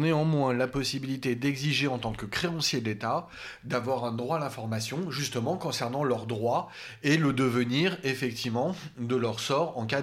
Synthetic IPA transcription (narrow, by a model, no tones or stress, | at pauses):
neɑ̃mwɛ̃lapɔsibilit̪ed̪ɛɡziʒeɑ̃t̪ɑ̃kəkχeɑ̃sjed̪let̪a | d̪avwaʁɛ̃d̪ʁwaːlɛ̃fɔʁmasjɔ̃ʒyst̪əmɑ̃kɔ̃sɛʁnɑ̃lœʁd̪ʁwa | eləd̪əvəniʁefɛk̚t̪ʰivmɑ̃d̪əlœʁsɔʁɑ̃ka